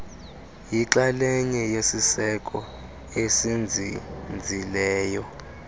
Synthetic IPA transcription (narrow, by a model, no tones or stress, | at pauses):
jiǁalɛɲɛjesisɛkʼɔ | esind͡zʱind͡zʱilɛːjɔ